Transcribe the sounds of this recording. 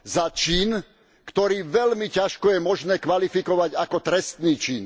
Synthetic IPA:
zat͡ʃiːn | kt̪ɔɾiːʋɛlmicaʃkɔjɛmɔʒnɛːkʋalifikɔʋaɟakɔt̪ɾɛst̪niːt͡ʃiːn

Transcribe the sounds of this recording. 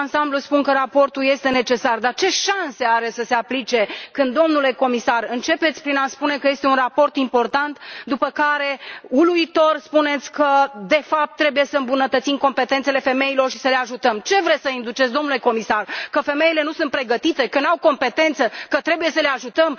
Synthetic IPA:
ansambluspunkəɾapo̞rt̪uje̞st̪e̞ne̞t͡ʃe̞sard̪art͡ʃe̞ʃanse̞aɾe̞səse̞aplit͡ʃe̞kɨnd̪o̞mnule̞ko̞misarɨnt͡ʃe̞pet̪sʲpɾinaspune̞kəje̞st̪e̞unrapo̞rt̪impo̞rt̪ant̪d̪upəkaɾe̞uluit̪o̞rspune̞t̪sʲkəd̪e̞fap̚t̪ːɾe̞buje̞səɨmbunət̪ət̪simko̞mpe̞t̪ent̪sele̞fe̞me̞ilo̞rʃi̥səle̞aʒut̪əmt͡ʃe̞vɾesəind̪ut͡ʃetsʲd̪o̞mnule̞ko̞misarkəfe̞me̞ile̞nusunt̪̚pɾe̞ɡət̪it̪e̞kənawko̞mpe̞t̪e̞nt̪səkət̪ɾe̞buje̞səle̞aʒut̪əm

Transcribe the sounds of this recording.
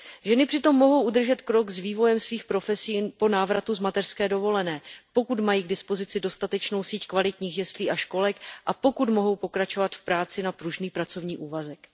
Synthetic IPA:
ʒɛnɪpr̥ɪt̪o̞mːo̞ɦo̞wʔud̪r̩ʒɛt̪kɾo̞ɡzviːvo̞jɛmsviːxpɾo̞fɛsiːnpo̞naːvɾat̪uzmat̪ɛr̥skɛːdo̞vo̞lɛnɛːpo̞kut̪majiːɡ̚dɪspo̞zɪt͡sɪdo̞st̪at̪ɛt͡ʃno̞wsiːckvalɪt̪ɲiːxjɛst̪liːʔaʃko̞lɛkʔapo̞kut̪mo̞ɦo̞wpo̞kɾat͡ʃo̞vat̪fpɾaːt͡sɪnapɾuʒniːpɾat͡so̞vɲiːʔuːvazɛk

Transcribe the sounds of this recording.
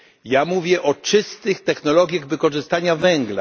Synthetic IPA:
jamuvʲjɛʔɔt͡ʂɘst̪ɘxt̪ɛxnɔlɔɡʲjaɣvɘkɔʐɘst̪aɲavɛŋɡla̰

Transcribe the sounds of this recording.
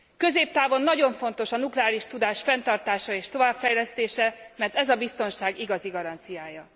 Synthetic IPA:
kø̞zeːp̚t̪aːvo̞nːɒɟo̞ɱfo̞nt̪o̞ʃɒnuklɛaːɾiʃt̪ud̪aːʃfɛnt̪ɒrt̪aːʃɒeːʃt̪o̞vaːpfɛjlɛst̪eːʃɛmɛrt̪ɛzɒbist̪o̞nʃaːɡiɡɒziɡɒɾɒnt̪sijaːjɒ

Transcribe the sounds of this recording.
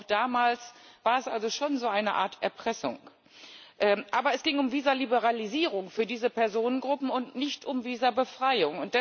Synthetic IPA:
ʊxd̥aːmaːlsv̥aːɐɛsʔalzoʃoːnzoːʔaɪnəʔa̰ːɐtʰʔɛɐpʁ̥ɛsʊ̰ŋ | ʔɛːʔaːbɐɛsɡ̥ɪŋʊmviːzɐlibəʁ̞aliziːʁ̞ʊŋfyːɐdiːzəpɛɐzoːnənɡʁʊpm̩ʊntnɪçtʔʊmviːzɐbəfʁ̥aɪʊŋʊntd̥ɛ

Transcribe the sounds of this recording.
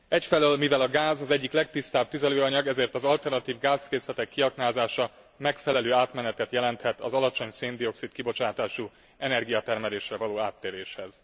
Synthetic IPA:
ɛcfɛløːlmivɛlɒɡaːzɒzɛɟːiklɛk̚t̪ist̪aːb̚t̪yzɛløːɒɲɒɡɛzeːrt̪ɒzɒlt̪ɛrnɒt̪iːvɡaːzkeːslɛt̪ɛkːiɒknaːzaːʃɒ | mɛkfɛlɛløːaːt̪mɛnɛt̪ɛt̪jɛlɛnt̪hɛt̪ɒzɒlɒt͡ʃo̞ɲseːnd̪io̞ksit̪kibo̞t͡ʃaːt̪aːʃu | ɛnɛrɡijɒt̪ɛrmɛleːʃrɛvɒloːaːt̪ːeːɾeːʃhɛz̥

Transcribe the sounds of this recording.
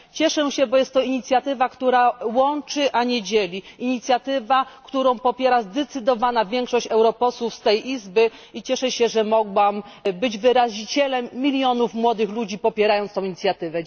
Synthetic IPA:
t͡ɕɛʂɛɕɛbɔjɛst̪ːɔiɲit̪sʲjat̪ɘvakt̪uɾawɔnt͡ʂɘʔaɲɛd͡ʑelʲiiɲit̪sʲjat̪ɘvakt̪uɾɔ̃w̃pɔpʲjɛɾazd̪ɛt̪sɘd̪ɔvanavʲjɛŋkʂɔɕt͡ɕɛwɾɔpɔswufst̪ɛjʔizbɘ | it͡ɕɛʂɛɕɛʐɛmɔɡwambɘd͡ʑvɘɾaʑit͡ɕɛlɛmːʲilʲjɔnufmwɔd̪ɘxlud͡ʑipɔpʲjɛɾajɔnt̪t̪ɔ̃w̃iɲit̪sʲjat̪ɘvɛ

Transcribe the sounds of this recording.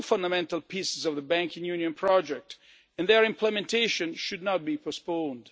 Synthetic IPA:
fãndamɛ̃ntalˠpʰisɪzɔvðəbæ̃ŋkɪ̃ŋjunijə̃npʰɹɔd͡ʒɛk̚t | ɛ̃nðəɹɪ̃mplɛmɛ̃ntʰeʃɔ̃nʃudnɔt̚bipʰɔspõnd

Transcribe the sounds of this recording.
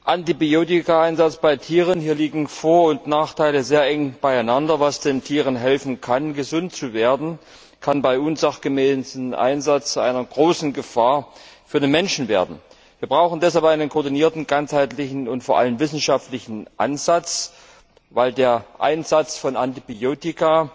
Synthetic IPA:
ʔantibioːtɪkaaɪnzat͡sb̥aɪtʰiːʁ̞ənhiːɐliːɡŋ̩foːɐʊntnaːχtʰaɪləzeːɐʔɛŋb̥aɪaɪnandɐvasd̥eːntʰiːʁənɦɛlfn̩kʰanɡəzʊnt̚t͡suveːɐdn̩ | kʰanbaɪʔʊnzaχɡ̥əmɛːsnʔa̰ɪnzat͡st͡sʔa̰ɪnɐɡʁoːsn̩ɡəfaːɐfyːɐdeːnmɛnʃn̩veːɐdn̩ | viːɐbʁaʊxn̩dɛsalpʔaɪnənkʰɔːɐdiniːɐtn̩ɡant͡shaɪtlɪçn̩ʊntfoːɐʔa̰ləmvɪsn̩ʃaftlɪçn̩ʔa̰nzat͡s | vaɪldeːɐʔa̰ɪnzat͡sfɔnantibioːtɪka

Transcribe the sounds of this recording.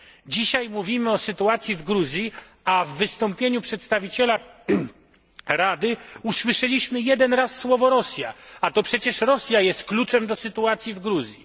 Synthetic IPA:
d͡ʑiɕajmuvʲimɘɔsɘt̪uat̪sʲjivɡɾuzʲji | avːɘst̪ɔmpʲjeɲupʂɛt̪st̪avʲit͡ɕɛla | ɾad̪ɘuswɘʂɛlʲiɕmɘjɛd̪ɛnɾasːwɔvɔɾɔsʲjaat̪ɔpʂɛt͡ɕɛʂɾɔsʲjajɛst̪̚klut͡ʂɛmd̪ɔsɘt̪uat̪sʲjivɡɾuzʲji

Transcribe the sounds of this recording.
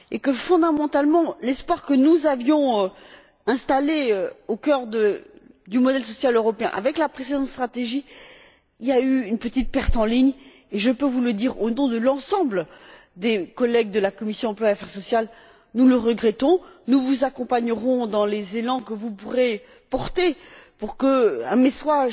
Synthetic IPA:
ekəfɔ̃d̪amɑ̃t̪almɑ̃lɛspwaʁkənuzavjɔ̃ø | ɛ̃st̪aleøokʲœʁd̪ə | d̪ymɔd̪ɛlsɔsjaløʁɔpeɛ̰̃ʔa̰vɛklapχesed̪ɑ̃t̪st̪χat̪eʒi | iljayynpət̪it̪̚pɛʁt̪ɑ̃liɲ | eʒəpøvuləd̪iʁonɔ̃d̪əlɑ̃sɑ̃bl | d̪ekɔlɛɡ̚d̪əlakɔmisjɔ̃ɑ̃plwaafɛʁsɔsjal | nuləʁəɡʁɛt̪ɔ̃nuvuzakɔ̃paɲəʁɔ̃d̪ɑ̃lezelɑ̃kəvupuʁe | pɔʁt̪epuʁkəɛ̃mesaʒ

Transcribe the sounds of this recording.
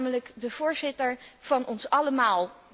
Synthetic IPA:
mələkdəv̥ʊːɹzɪtəɹv̥ɑnɔnsɑləmaːlˠ

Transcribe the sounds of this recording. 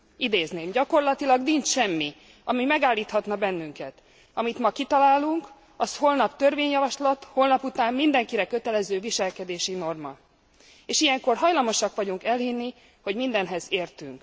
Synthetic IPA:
id̪eːzneːmɟɒko̞rlɒt̪ilɒɡnint͡ʃʃɛmːi | ɒmimɛɡaːlːiːt̪hɒt̪nɒbɛnːyŋkɛt̪ | ɒmit̪mɒkit̪ɒlaːluŋk | ɒsho̞lnɒpt̪ø̞rveːɲjɒvɒʃlɒt̪holnɒput̪aːmːind̪ɛŋkiɾɛkø̞t̪ɛlɛzøːviʃɛlkɛd̪eːʃino̞rmɒ̰ | eːʃijɛŋko̞rɦɒjlɒmo̞ʃɒkʋɒɟuŋkɛlɦinːi | ho̞ɟmind̪ɛnɦɛzeːrt̪y̰ŋk

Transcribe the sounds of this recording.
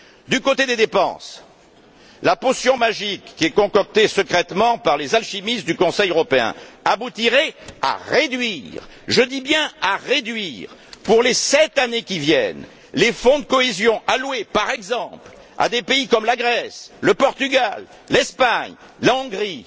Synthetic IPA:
d̪ykot̪ed̪ed̪epɑ̰̃s | laposjɔ̃maʒikːiɛkɔ̃kɔk̚t̪esəkχɛt̪mɑ̃paʁlezalʃimist̪̚d̪ykɔ̃sɛjøʁɔpeɛ̰̃abut̪iʁɛa̰ʁed̪ɥiʁʒəd̪ibjɛ̃aʁed̪ɥiʁpuʁlesɛt̪anekʲivjɛ̰n | lefɔ̃d̪əkɔezjɔ̃ʔalwepaʁɛɡzɑ̃pl | a̰d̪epeikɔmlaɡʁɛsləpɔʁt̪yɡal | lɛspaɲ | laɔ̃ɡʁi

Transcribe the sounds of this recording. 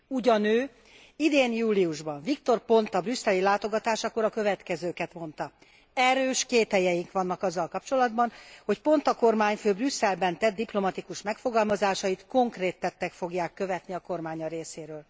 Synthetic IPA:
uɟɒnøː | id̪eːnjuːliuʒbɒɱvikt̪o̞rpo̞nt̪ɒbrysːɛlilaːt̪o̞ɡɒt̪aːʃɒkoɾɒkø̞vɛt̪kɛzøːkɛt̪mo̞nt̪ɒ | ɛɾøːʃkeːt̪hɛjɛjiŋkʋɒnːɒkɒzːɒlkɒpt͡ʃo̞lɒd̪bɒnho̞cpo̞nt̪ɒko̞rmaːɲføːbrysːɛlbɛnt̪ɛd̪d̪ːiplo̞mɒt̪ikuʃmɛkfo̞ɡɒlmɒzaːʃɒjit̪ko̞ŋkreːt̪ːɛt̪ːɛkfo̞ɡjaːkːø̞vɛt̪niɒko̞rmaːɲɒɾeːseːɾøːl

